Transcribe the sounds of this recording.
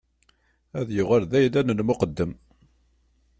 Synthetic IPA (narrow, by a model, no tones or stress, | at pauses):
æðjʊʁælðæjlænənmʊqəd̪ːəm